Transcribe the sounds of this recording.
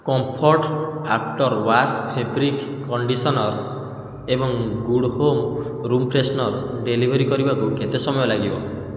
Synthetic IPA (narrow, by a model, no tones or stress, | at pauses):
kɔmpʰɔɾʈak̚ʈɔɾwaspʰebɾikːɔɳɖisɔnɔɾ | ebɔŋɡuɽhom | ɾumpɾesnɔɾɖelibʱɔɾikɔɾibakuket̪esɔmɔjɔlaɡibɔ